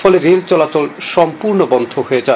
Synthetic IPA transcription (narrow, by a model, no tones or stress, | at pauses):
ɔleɾelt͡ɕɔlat͡ɕɔlʃɔmpuɾnobɔnd̪ʱoɦoed͡ʑa